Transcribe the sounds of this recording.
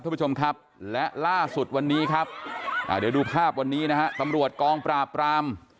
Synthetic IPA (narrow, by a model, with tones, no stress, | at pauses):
p̚ʰːaː˥˩˦t͡ɕo˧m˧kʰa˦˥p̚lɛ˦˥ʔlaː˥˩su˨˩t̪̚wa˧nːiː˦˥kʰa˦˥p̚ʔa̰ː˨˩dɯː˧duː˧pʰaː˥˩p̚wa˧nːiː˦˥na˦˥kʰa˦˥t̪a˧mɾu˨˩ət̪̚kɔː˧ŋpɾaː˨˩pːɾaː˧m